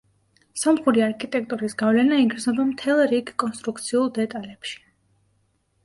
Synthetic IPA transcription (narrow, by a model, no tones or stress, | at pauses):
sɔmχuɾiaɾkʰit̪ʼɛk̚ʰt̪ʼuɾisɡavlɛnaiɡɾznɔbamt̪ʰɛlˠɾiɡkʼɔnst̪ʼɾuk̚t̪sʰiulˠd̪ɛt̪ʼalɛpʃi̥